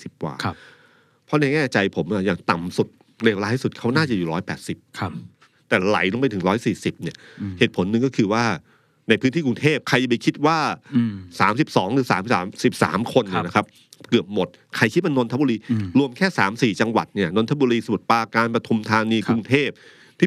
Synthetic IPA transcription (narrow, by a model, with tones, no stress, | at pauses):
si˨˩p̚wa̰ː˨˩˧ | pʰɔ˦˥nɛː˧ŋɛː˥˩t͡ɕa˧jpʰo˩˦mʔa˧˩jaː˨˩ŋt̪a˨˩msu˨˩t̪̚ | leː˧wlaː˦˥tsu˨˩t̪̚kʰa˦˥wnaː˥˩t͡ɕa˨˩juː˨˩ɾɔː˦˥jpɛ̰ː˨˩t̪̚si˨˩p̚kʰ | t̪ɛː˨˩la̰˨˩˦jlu˧mpa˧jt̪ʰɯ˩˦ɾɔː˦˥jsiː˨˩si˨˩p̚ni˥˩ɐheː˨˩t̪̚pʰo˩˦nːɯ˨˧ŋkɔ˥˩kʰɯː˧waː˥˩ | na˧jpʰɯ˧˦˥nt̪ʰiː˥˩ku˧ŋt̪ʰeː˥˩p̚kʰa˧ja˨˩ba˧jkʰi˦˥t̪̚waː˥˩saː˩˦msi˨˩p̚sɔː˩˦ŋɾɯː˩˦saː˩˦msːmsi˨˩p̚sa̰ː˩˦mkʰo˧nːi˧˩˦na˦˥kʰa˦˥p̚ | kɯ˨˩əp̚mo˨˩t̪̚ | kʰa˧jkʰi˦˥maː˥˩no˧nʰa˦˥˩buː˧ɾiː˧ɾu˧əmkʰɛː˥˩saː˩˦msiː˨˩t͡ɕa˧ŋwa̰˨˩t̪̚ni˥˩ɐno˧nt̪ʰa˦˥buː˧ɾiː˧sa˧mu˨˩t̪̚paː˧kaː˧npɾa˧t̪ʰu˧mt̪ʰaː˧niː˧ku˧ŋt̪ʰeː˥˩p̚ | t̪ʰiː˥˩